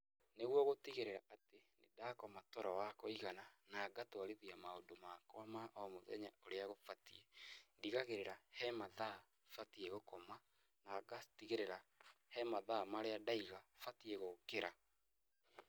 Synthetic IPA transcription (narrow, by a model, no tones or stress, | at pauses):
neɣwɔɣotiɣeɾeɾaʔatenḛdakɔmatɔɾɔwakɔiɣananaːɡatwaɾeðiamaondomakwamaʔɔmoðɛ̰ɲaoɾeaɣofatiendiɣaɣeɾeɾahɛmaða | fatiɛɣokɔma | naɡatiɣeɾeɾahɛmaðamaɾeadaiɣafatiɛɣokeɾa